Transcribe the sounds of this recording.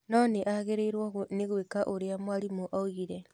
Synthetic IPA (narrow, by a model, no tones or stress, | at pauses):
nɔneʔaɣeɾeiɾwɔɣneɣwekaʔoɾeamwaɾimoʔaoɣiɾɛ